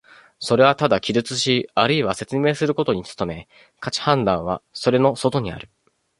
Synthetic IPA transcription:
so̞ɾe̞βat̪ad̪akʲizɨt͡sɨɕiaɾɯ̟iβase̞t͡sɨme̞ːsɨɾɯ̟ko̞t̪o̞ɲ̟it͡sɨ̥t̪o̞me̞ | kat͡ɕi̥hãnd̪ãɰ̃β̞a̰so̞ɾe̞no̞so̞t̪o̞ɲ̟ia̰ɾɯ̟

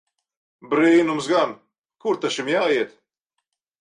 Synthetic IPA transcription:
bɾiːnumsɡan | kuɾt̪aʃimjaːiɛt̪

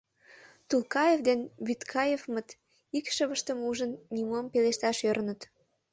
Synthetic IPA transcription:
t̪ulkɑjevd̪enβyt̪kʰɑjevmət̪ | ikʃəβəʃt̪əmuʒənnʲimompeleʃt̪ɑʃøɾnət̪

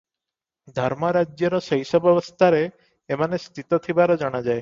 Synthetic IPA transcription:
d̪ʱɔɾmɔɾad͡ʒjɔɾɔsəjsɔbɔbɔst̪ʰaɾeː | manest̪ʰit̪ɔt̪ʰibaɾɔd͡ʒɔɽ̃ad͡ʒae

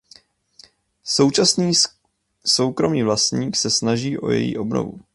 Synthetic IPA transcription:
so̞wt͡ʃasniː | so̞wkɾo̞miːvlast̪ɲiːksɛsnaʒiːʔo̞̰jɛ̰jḭːʔo̞bno̰vu

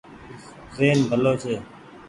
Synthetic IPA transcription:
zeːnbʱəloːt͡ʃʰeː

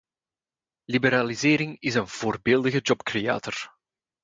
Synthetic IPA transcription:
libəɾaːlizeːɾɪŋɪzənv̥oːrbeːlˠdəɣəd͡ʒɔpkreja̰ːtɔr

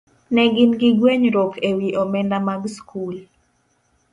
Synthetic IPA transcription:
nɛɡɪnɡɪɡweɲɾokʰewiʔɔmɛndamaɡskʰul

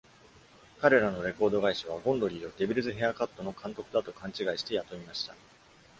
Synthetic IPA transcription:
kaɾe̞ɾano̞ɾe̞ko̞ːd̪o̞ɡaiɕaβ̞aɡõ̞nd̪o̞ɾʲiːo̞d̪e̞bʲiɾɯ̟zɨɦe̞akat̪ːo̞no̞kãnt̪o̞kɯ̟d̪at̪o̞kãɲ̟t͡ɕiɡaiɕi̥t̪e̞jat̪o̞mʲimaɕi̥t̪a

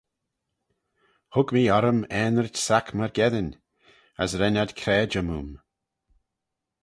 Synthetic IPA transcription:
hʊkmiːɔɾəmɛːnəɹtsakʰmaɹɡɛðənʲ | əsɾɛnad̪kʰɾɛːd͡ʒəmuːm

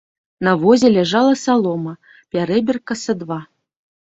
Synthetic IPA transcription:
nɐvɔzʲɛlʲaʐɑlˠɐsalˠɔmɐ | pʲaɾɛbʲɪrkɐsɐd̪va

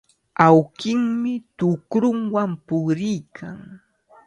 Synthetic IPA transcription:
awkɪŋmɪt̪ʊkɾʊŋwampʊɾɪjkʰaŋ

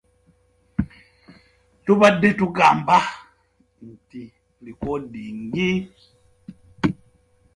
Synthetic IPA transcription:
tubadetuɡamba | n̩ti | likɔdiŋɡi

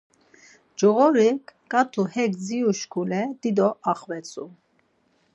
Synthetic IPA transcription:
d͡ʒɔɣɔɾikkʼat̪ʰuhɛkd͡ziuʃkʰulɛd̪id̪ɔʔɑχvɛt͡sʰʼu

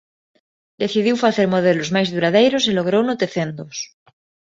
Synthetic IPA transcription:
d̪eθiðiwfaθeɾmoð̞elozmajzðuɾaðejɾoseloɣ̞ɾownot̪eθend̪os

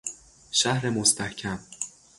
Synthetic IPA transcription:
ʃæhɾemost̪ʰæhcʲʰæm

